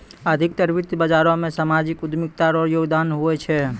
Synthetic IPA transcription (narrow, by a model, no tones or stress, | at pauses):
əd̪ʱik̚t̪əɾbit̪bəd͡ʒaɾɔ̃mesamad͡ʒikud̪ʱmik̚t̪aɾɔjoɡd̪anɦuɛt͡ʃʰɛ